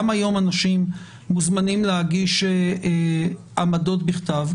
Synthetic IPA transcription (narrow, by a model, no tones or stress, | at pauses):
majo̞manaʃimː | uzmanimlehaɡiʃee | ʔamadotbiχt̪av